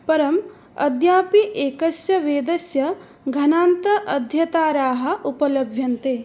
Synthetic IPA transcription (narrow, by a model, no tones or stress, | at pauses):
pɐɾɐm | ɐ̰d̪jaːpiʔeːkɐsjɐʋeːd̪ɐsjɐ | ɡʱɐnaːnt̪ɐʔɐd̪ʱjɐt̪aːɾaːɦɐ̆upɐlɐbʱjɐnt̪eː